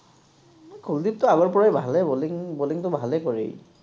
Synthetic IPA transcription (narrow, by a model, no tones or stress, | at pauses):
mkʰuldip̚tʊaɡɔɹpɔɹajbʱalɛboliŋboliŋtʊbʱalɛkoɹḭj